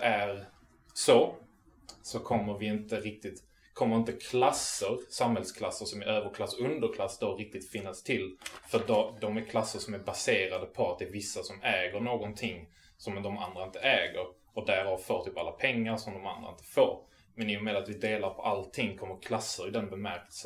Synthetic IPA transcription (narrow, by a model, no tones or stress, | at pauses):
æɾ | so | sɔkʰɔmːəɾvɪɪnt̪əɾɪk̚t̪ɪt̪ | kʰɔmːəɾɪnt̪əkʰlasːəɾsamhɛlskʰlasːəɾʂɔmæɾʔøːvəɾkʰlasːɵnd̪əɾkʰlasːd̪əɾɪk̚t̪ɪt̪fɪnːast̪ʰɪlfœɖɔd̪ɔmæɾkʰlasːəɾʂɔmæɾbaseːɾad̪əpʰɔat̪̚d̪ɛːɾvɪsːasɔmɛːɡəɾɳoːɡɔnt̪ʰɪŋː | sɔmd̪ɔma̰nd̪ɾaɪnt̪əɛːɡəɾ | ɔd̪æɾhavfoːɾt̪ʰypːa̰lːapʰɛŋːaɾʂɔmd̪ɔma̰nd̪ɾaɪnt̪ə̥fo̰ːɾ | mɛnɪjʊmɛd̪at̪vɪd̪eːlaɾpʰɔʔalt̪ʰɪŋːkʰɔmːəɾkʰlasːəɾɪd̪ɛnbɛmæɾkɛlsə